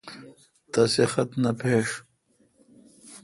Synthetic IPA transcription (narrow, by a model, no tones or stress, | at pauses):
t̪ɐsexɐt̪nɐpʰeːʂ